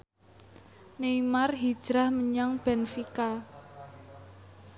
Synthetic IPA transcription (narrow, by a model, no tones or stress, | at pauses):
neimarɦid̥ʒ̥ɾahməɲaŋb̥ɛnfika